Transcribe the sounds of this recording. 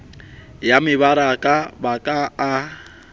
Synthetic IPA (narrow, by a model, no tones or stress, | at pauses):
jamɪβaɾakʼabakʼaː